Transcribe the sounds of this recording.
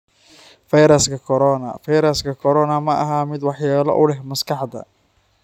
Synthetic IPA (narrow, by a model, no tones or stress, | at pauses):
fɐjɾɐskʰɐkʰɔɾɔːnɐ̰fɑjɾɐskʰɐkʰɔɾɔːnɐmɐʔɐ̰ɦamɪd̪wɑħjaːlɔ̰ʔʊlɛɦmɐskɑħd̪ɐ̰